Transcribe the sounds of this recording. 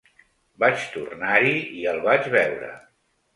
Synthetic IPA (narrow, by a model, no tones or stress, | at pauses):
bat͡ʃt̪ṵrnaɾiiəlˠβad͡ʒβɛwɾə̰